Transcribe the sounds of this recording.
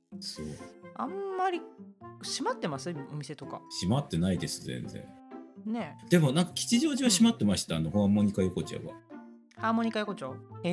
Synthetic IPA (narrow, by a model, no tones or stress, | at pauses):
so̞ːamːaɾʲiɕimat̪ːe̞masɨo̞mʲise̞t̪o̞ka̰ɕimat̪ːe̞naid̪e̞sɨzẽ̞̰nd͡zẽ̞̰ɴ | ne̞d̪̥e̞mo̞nãŋkakʲi̥t͡ɕiʑo̞ːʑiβaɕimat̪ːe̞maɕi̥t̪aːno̞hoamːo̞ɲ̟ikajoko̞t͡ɕa̰βa̰ | haːmːoɲ̟ikajokot͡ɕa